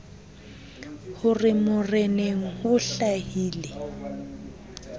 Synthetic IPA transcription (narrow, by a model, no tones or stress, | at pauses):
hʊrɪmʊreneŋ̩hʊɬahiːlɪ